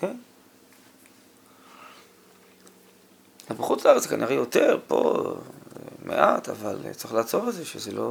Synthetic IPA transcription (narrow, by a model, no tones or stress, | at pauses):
ken | azbaχut͡slaaʁet͡szkanʔiʁejot̪e̞ʁpo̞̰ | mʔḛʔat̪a̰valtt͡saʁiχlaːt͡so̞vezeʃezelo